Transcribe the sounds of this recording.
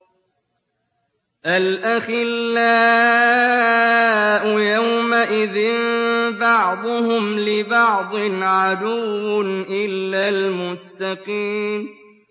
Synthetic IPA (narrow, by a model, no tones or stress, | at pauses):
ʔalʔaxɪlːaː | ʔʊjawmaʔɪðɪnbɑʕd̪ˤʊhʊmlɪbɑʕd̪ˤɨnʕad̪ʊwːnʔɪlːaːlmʊst̪ɑqiːm